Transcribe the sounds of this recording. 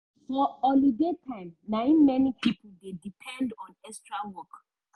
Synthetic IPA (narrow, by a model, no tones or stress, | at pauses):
fɔɔlidetʰãɪ̃mnãĩnmɛnipipʰodedipʰɛ̃ndɔ̃nɛstɹawɔk